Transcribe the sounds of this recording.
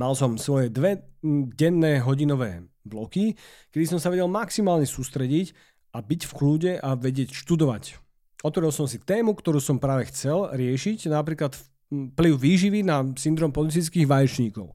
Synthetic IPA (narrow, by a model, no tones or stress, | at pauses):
malsɔmsʋɔjɛd̪ʋɛɟɛnːɛːɦɔɟinɔʋɛ̰ːblɔki | kɛd̪isɔmsaʋɛɟɛlmaksimaːlɲɛsuːst̪ɾɛɟic | abicfkluːɟɛʔaʋɛɟɪɛcʃt̪ud̪ɔʋac | ɔt̪ʋɔɾilsɔmsit̪ɛːmukt̪ɔɾuːsɔmpɾaːʋɛxt͡sɛlɾɪɛʃicnapɾiːklat̪f | pliʊʋiːʒiʋinasind̪ɾɔːmpɔlit͡sijt͡skiːɣʋajɛt͡ʃɲiːkɔʊ